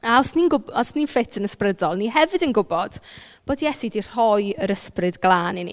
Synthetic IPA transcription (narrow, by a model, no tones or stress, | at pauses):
aɔsninɡʊbɔsninfɪtʰənəsprədɔlˠniɦɛvɨdənɡʊbɔd̥b̥oːdijɛsidir̥hɔjəɾəsprɨdɡlˠaːninḭ